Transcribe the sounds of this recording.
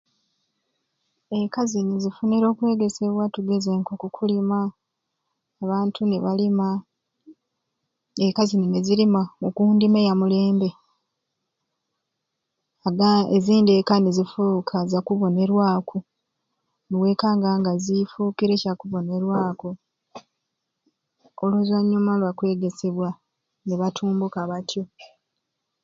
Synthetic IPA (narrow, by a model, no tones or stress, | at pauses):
ekazinizifuniɾo̞ːkwe̞ːɡe̞se̞βwatuɡe̞ze̞ːŋkokukʰulima | βaːntʰuneβalima | ekazininezilimamukuːndimejamule̞ːmbe̞ | aɡaeziːnde̞kanezifuːkʰazakuβo̞ne̞ɾwaːkʰo | niwe̞ːkaːŋɡaːŋɡazifuːkiɾe̞cakuβo̞ne̞ɾwaːko | oluzwaɲːumalwakwe̞ːɡe̞se̞βwa | neβatʰuːmbukaβatʰjo̞